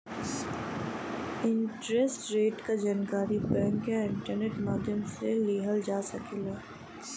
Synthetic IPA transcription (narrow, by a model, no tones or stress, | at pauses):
ɪ̃ɳʈɾesʈɾeːʈkad͡ʒaːnkaːɾibɛ̃ŋkjaɪ̃ɳʈəɾneːʈmaːd̪ʱjəmseleːɦəld͡ʒaːsɐkeːlaː